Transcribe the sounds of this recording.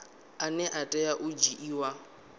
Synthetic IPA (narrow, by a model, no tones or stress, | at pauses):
anɛʔatʼɛjaʔʊd͡ʒiʔiːwa